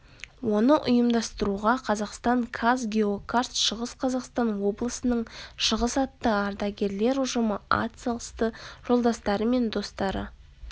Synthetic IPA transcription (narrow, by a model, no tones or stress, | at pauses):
wo̞nəʔʊjəmd̪ɑst̪əɾuʁɑqʰɑzɑqst̪ɑɴkʰazɡʲe̞okʰart̪ʃəʁəsqʰɑzɑqst̪ɑnwo̞blˠəsənəɴʃəʁəsɑt̪ːəɑɾd̪ɑɡʲe̞ɾle̞ɾʊʒəməa̰t̪səlˠəst̪əʒ̥o̞lˠd̪ɑst̪ɑɾəme̞nd̪o̞st̪ɑɾə